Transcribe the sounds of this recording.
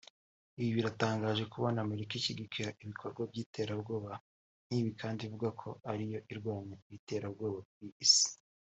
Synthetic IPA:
iβiβiɾataːŋɡaːʒe̞kuβonaːmeɾikiciɡikiɾaʔiβikʰo̞ɾɡwab̚ɟiːtʰe̞ːɾabɡo̞ːβa | n̥iːβikʰaːndivuɡakʰo̞̰aɾijo̞ʔiɾɡwaːmɲeiβite̞ːɾabɡo̞ːβawiːsi̥

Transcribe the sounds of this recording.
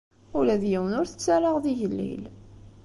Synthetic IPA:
ulæðjiwənʊɾθə̥t͡sːaɾˤaʁðiʝəlːḭl

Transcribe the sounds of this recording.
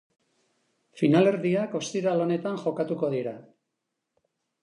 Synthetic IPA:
finale̞ɾðiako̞st̪iɾalo̞ne̞t̪anʝo̞kat̪uko̞ð̞iɾa

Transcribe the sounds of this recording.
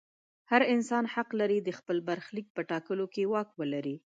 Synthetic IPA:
haɾɪnsɑnhaqlaɾid̪əxpəlbaɾxlik̚pəʈɑkəlokewɑkwəlaɾi

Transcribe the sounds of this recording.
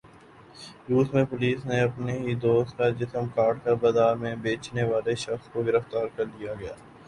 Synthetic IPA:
juːsmẽpʊliːsneɐpneɦid̪oːst̪kad͡ʒɪsəmkaːʈ̚kabɐd̪aːɾmẽbeːt͡ʃneʋaːleʃɐxskoɡɪɾəft̪aːɾkɐɾd̪ijaɡɐjaː

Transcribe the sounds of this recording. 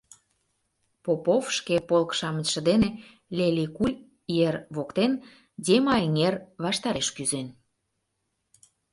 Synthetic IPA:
popofʃkepolkʃɑmət͡ɕʃə̆d̪ene | lʲelʲikulʲ | jerβokt̪en | dʲemɑeŋerβɑʃt̪ɑɾeʃkyzen

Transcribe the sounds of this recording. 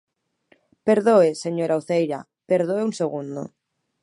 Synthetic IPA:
peɾðoeseɲoɾauθejɾa̰ | peɾðoeunseɣund̪o̰

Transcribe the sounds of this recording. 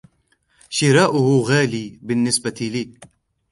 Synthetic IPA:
ɕiɾaʔuɦuɣaːlibinːɪsbɐt̪ʰili

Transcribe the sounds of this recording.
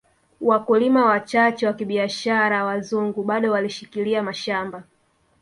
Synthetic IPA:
wakulimawat͡ʃat͡ʃɛwakiɓiaʃaɾawazuŋɡuɓaɗɔwaliʃikiliamaʃamba

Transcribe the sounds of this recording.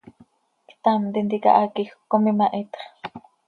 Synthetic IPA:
kt̪amt̪int̪ikɑ̰ʔakixkːomimaʔit̪χ

